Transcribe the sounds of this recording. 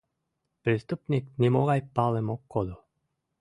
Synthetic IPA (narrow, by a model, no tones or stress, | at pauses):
pɾist̪upniknʲimoɣajpalˠemokːod̪u